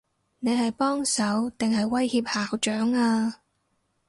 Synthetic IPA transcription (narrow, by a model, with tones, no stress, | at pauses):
ne˨˧jɦɐ˨jpɔː˥ŋsɐ˨˥wt̪ɪ˨ŋhɐ˨jwɐ˥jhiː˧p̚haː˨wt͡ʃœː˨˥ŋaː˧